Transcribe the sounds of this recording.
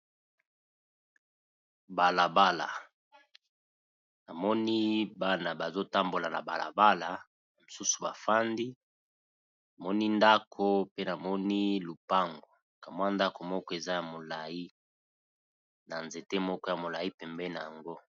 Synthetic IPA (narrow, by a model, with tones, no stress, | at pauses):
ba˨la˨ba˦la̰˨ | na˨mɔ˦ni˦ba˦na˨ba˨zo˦ta˦mbo˨la˨na̰˨ba̰˨la̰˨ba˦la˨ | na˨mo˨su˦su̥˨ba˨fa˦ndi˦ | na˨mɔ˦ni˦nda˦kʰo˦pe˦na˨mɔ˦ni˦lu˨pa˦ŋɡo˨ | ka˨m˦a˦nda˦ko˨mɔ˦kɔ˦e˨za˦ja˨mo˨la˨ji˦ | na˨nze˨te˦mɔ˦kɔ˦ja˨mo˨la˨i˦pɛ˨mbɛ˦na˨ja˨ŋɡo˦